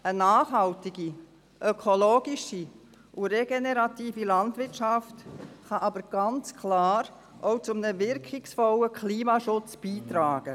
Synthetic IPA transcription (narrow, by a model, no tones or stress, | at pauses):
ənaːχɦɑltɪɡi | ʔœkʰoloːɡ̥ɪʃi | ʔuɾeɡeneɾɑtiːfilɑntvɪɾtʃɑftχɑʔɑbəɾɡ̥ɑnt͡skʰlaːɾ | ʔowt͡sʊmnəvɪɾkʰɪksfɔləkʰliːmɑʃʊt͡sb̥iːtɾaːɡ̥ə